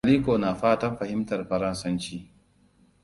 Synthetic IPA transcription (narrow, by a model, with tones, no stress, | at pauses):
liː˦koː˨naː˨ɸaː˦tɐ˦mɸɐ˨hɪ˦mtɐ˨rɸɐ˦ɾɐ˦nsɐ˦nt͡ʃiː˦